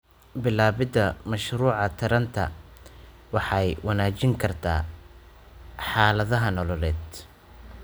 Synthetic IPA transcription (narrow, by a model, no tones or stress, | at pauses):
bɪlaːβɪd̪ɐmɐʃɾuːʕɑt̪ʰɐɾɐnt̪ʰɐ̰ | wɑħɑjwʔɑnaːt͡ʃɪŋkʰɐrt̪ʰa̰ː | ħɑːlɐðɐɦɐnɔlɔlɛːd̪